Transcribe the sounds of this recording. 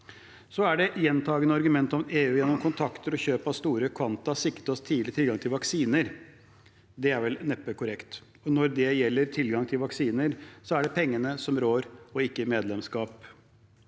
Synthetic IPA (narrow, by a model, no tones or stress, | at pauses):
sɔæɖɛjɛnt̪ʰɑːɡənəɑɾɡʉmɛnt̪ɔmeːʉːjɛnːɔmkʰʊnt̪ʰɑkt̪əɾɔçøːpɑst̪uːɾəkʰʋɑnt̪ɑsɪkət̪ɔst̪ʰiːd̪lɪt̪ʰɪlɡɑŋt̪ʰɪlʋɑksiːnəɾ | d̪ɛæɾʋɛlnɛpːəkʰʊɾɛkt̪ | ɔnɔɾd̪ɛjɛlːəɾt̪ʰɪlɡɑŋt̪ʰɪlʋɑksiːnəɾsɔæɖɛpʰɛŋːənəsɔmɾoːɾɔɪkːəmeːd̪lɛmskɑːp